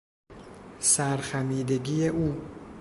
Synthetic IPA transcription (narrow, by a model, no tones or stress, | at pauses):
sæɾxæmiːd̪eɟiːeʔuː